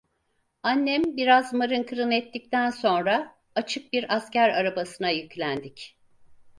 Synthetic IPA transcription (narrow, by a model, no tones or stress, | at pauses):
anːɛmbiɾazmaɾɯnkʰɯɾɯnɛt̪ːic̚t̪ʰænso̞nɾaː | t͡ʃʰɯk̚biɾascæɾaɾabasɯnajɯclʲænd̪ic